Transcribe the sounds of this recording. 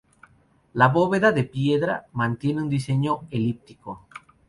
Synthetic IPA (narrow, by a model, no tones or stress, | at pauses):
laβo̞βe̞ðaðepje̞ðɾa̰mãnt̪je̞neũnd̪ise̞ɲoelip̚t̪iko